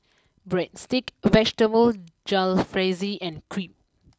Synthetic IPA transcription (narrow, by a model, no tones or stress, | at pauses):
bɹɛ̃dstikvɛd͡ʒʈəvəld͡ʒalfɹeziʔɛ̃nkʰɹĩp̚